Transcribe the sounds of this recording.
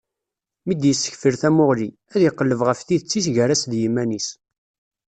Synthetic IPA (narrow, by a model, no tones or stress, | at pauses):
mid̪jəsːə̥çfiɾθæmʊʁli | æðjiqːəlːəvʁəfθiðət͡sːisʝəɾæsðjimænis